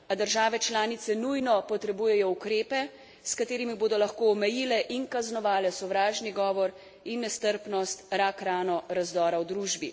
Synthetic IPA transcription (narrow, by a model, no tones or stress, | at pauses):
ad̪əɾʒaːʋɛt͡ʃlaːnit̪sɛnujnɔpɔt̪ɾɛbuːjɛjɔukɾeːpɛ | skat̪eːɾimiboːd̪ɔlaxkoːmɛjiːlɛʔinkaznɔʋaːlɛsɔʋɾaːʒniɡɔːʋɔɾ | inːɛst̪əɾpnɔst̪ɾakɾaːnɔɾazd̪ɔːɾawd̪ɾuːʒbi